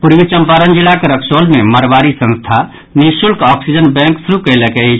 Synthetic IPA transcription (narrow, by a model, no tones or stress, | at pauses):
puɾbit͡ʃəmpaɾənd͡ʒilakeɾəksolmeməɾbaɾisə̃nst̪ʰa | nisulkɔksid͡ʒənbɛ̃ŋksuɾukəɪlekeet͡ʃʰ